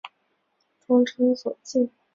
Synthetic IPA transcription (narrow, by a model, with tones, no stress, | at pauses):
ʈ͡ʂwɑ˥ŋʈ͡ʂʰɤ˥ŋswɔ˨˩t͡ɕi˥˩n